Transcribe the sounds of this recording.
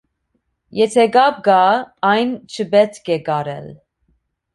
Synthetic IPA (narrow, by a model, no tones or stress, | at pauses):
jɛt̪ʰɛɡɑb̚ɡɑɑjnt͡ʃʰəbɛt̪kʰɛɡɑɾɛ̰l